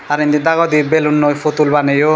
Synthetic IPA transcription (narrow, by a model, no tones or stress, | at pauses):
aɾind̪id̪aɡɔd̪ibelunːopʰot̪ulbanejo